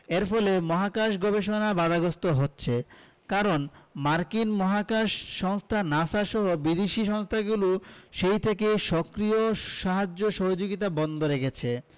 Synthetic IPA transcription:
eɾpʰɔlemɔɦakaʃɡɔbeʃonabad̪aɡost̪oɦotːɕʰe | kaɾonmaɾkinmɔɦakaʃːɔŋst̪ʰanasaʃɔɦobɾid̪eʃiʃɔŋst̪ʰaɡuluʃejt̪ʰekejʃɔkɾioʃaɦad͡ʑːoʃɔɦod͡ʑoɡit̪abɔnd̪ʱoɾekʰet͡ɕʰe

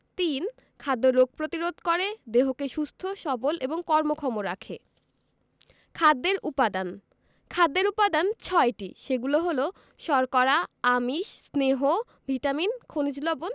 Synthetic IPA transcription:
t̪in | kʰad̪ːoɾːoɡ̚pɾot̪iɾod̪ʱkɔɾed̪eɦokeʃust̪ʰoʃɔbolʔeboŋkɔɾmokʰɔmoɾakʰe | kʰad̪ːeɾupad̪an | kʰad̪ːeɾupad̪ant͡ɕʰɔeʈḭʃeɡuloɦolo | ʃɔɾkɔɾaamiʃsneɦo | bʱiʈaminkʰonid͡ʑlobon

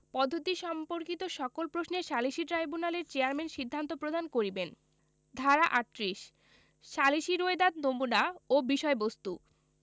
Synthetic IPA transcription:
pɔd̪ʱːot̪iʃɔmpoɾkit̪oʃɔkolpɾosneʃaliʃiʈɾajbunaleɾt͡ɕeaɾmenʃid̪ʱːant̪opɾod̪ʱankoɾiben | d̪ʱaɾaʔaʈːɾiʃ | ʃaliʃiɾoed̪ad̪nomunaobiʃɔebost̪u

